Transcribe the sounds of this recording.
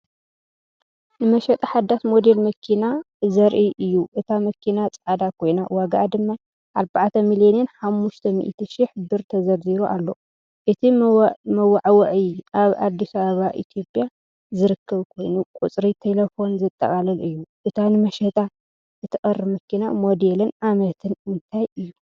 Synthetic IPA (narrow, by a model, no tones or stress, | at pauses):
nɨmɐʃɐt̪ʼaħad̪ːat̪mo̞d̪e̞lmɐkʰina | zɐɾʔiʔɨjːuʔɨt̪ʰamɐkʰinat͡sʼʕad̪akʰo̞jnawaɡaʔad̪ɨmːa | ʔaɾbaʕt̪ʰɐmilonenħamːuʃt̪ʰɐmḭʔt̪ʰiʃiħɨbɨɾt̪ʰɐzɐɾziβuʔa̰lːo̞ | ʔɨt̪ʰimɐwːaʕwɐʕiʔaβad̪ːisɐβaβaʔḭt̪ʰjo̞pʼja | zɨɾɨkʰːɐβkʰo̞jnukʼut͡sʼɾit̪ʰelɐfo̞nzɨt̪ʼːɐ̰kʼalɐlɨjːuʔɨt̪ʰanɨmɐʃɐt̪ʼa | ʔɨt̪ʰikʼɐɾːɨmɐkʰina̰mod̪elɨnʔamɐt̪ʰɨnɨnt̪ʰajɨjːu